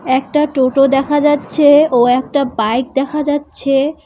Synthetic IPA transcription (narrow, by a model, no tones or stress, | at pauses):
ɛk̚ʈaʈoʈod̪ɛkʰad͡ʑatːɕʰeoɛk̚ʈabajk̚d̪ɛkʰad͡ʑatːɕʰe